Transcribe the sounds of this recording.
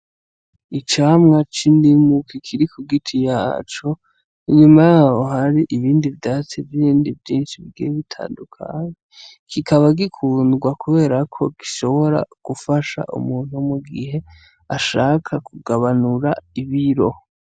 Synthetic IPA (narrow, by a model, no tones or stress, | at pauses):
it͡ʃaːmŋat͡ʃindimukʰikʰiɾikuɡitʰijaːt͡ʃo̞ | iɲumajaoɦaɾiʔiβiːndivdat͡sivjiiːndivjiːnʃiβiɡḭβitʰa̰ːndukʰa̰ɲe | kʰikʰaβaɡikʰuːnɡwakuβe̞ːɾakʰo̞ɡ̥iʃo̞βo̞ɾa̰ɡ̥ufaʃa̰ʔṵmuːn̥humuɡihe̞ | aʃaːkʰakuɡaβanuɾaiβiɾo̞